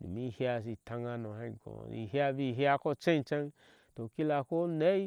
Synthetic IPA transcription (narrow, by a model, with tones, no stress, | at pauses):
dḭ˨mi˦hja˧s̬i˧tã˧ŋa˧nõ˨ha˧˨ɡõ̰˨ḭ˧˨ha˧bi˧˨ɦja˧ko˦t͡ʃẽ˦n˨t͡ʃa˦n | to˨ki˦la˧ko˦ne˦